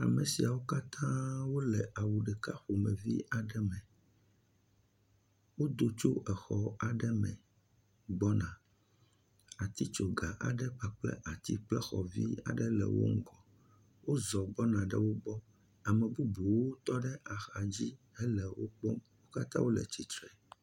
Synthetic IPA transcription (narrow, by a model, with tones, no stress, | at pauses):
a̰˨mɛ˨si˨a˨wo˦ka˦t̪ʰã˦wo˦lɛ˨ʔa˨wu˨ɖɛ˨ka˦ɸo˨mɛ̃˨vi˦ʔa˨ɖɛ˦mɛ̃˨ | wo˦d̪o˦t͡ʃo˦ʔɛ˨xɔ˦a˨ɖɛ˦mɛ̰̃˨ | ɡ͡bɔ˦nã˨ | a˨t̪i˦t͡ʃo˨ɡa˨ʔa̰˨ɖɛ˦k͡pa˨k͡plɛ̰˦ʔa˨t̪i˦k͡plɛ˦xɔ˨vi˦a̰˨ɖɛ˦lɛ̰˨wo̰˦ŋ̩˦ɡɔ˨ | wo˦zɔ˨ɡ͡bɔ˦nã˨ɖɛ̰˦wo˦bɔ˦ | a˨mɛ̃˨bu˦bu˨wo˦t̪ɔ˦ɖɛ˦ʔa˨xa˨d͡ʑi˦ | ɛ˦lɛ˨wo̰˦k͡po˦mwo˦ka˦t̪ã̰˦wo˦lɛ̰˨t͡ɕi˨t̪ɾɛ˨